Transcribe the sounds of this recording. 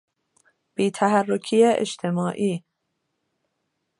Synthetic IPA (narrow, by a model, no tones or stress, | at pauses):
b̥iːt̪ʰæɦærːokʰiːjeʔḛʃt̪ʰe̞mɒːʔiː